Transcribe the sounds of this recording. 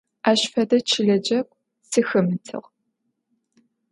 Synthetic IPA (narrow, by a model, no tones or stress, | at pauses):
aːʃfɐdɐt͡ʃʰɪɮɐd͡ʒɐkʷʼ | sɨxɨmɨtʰɨ̰ʁ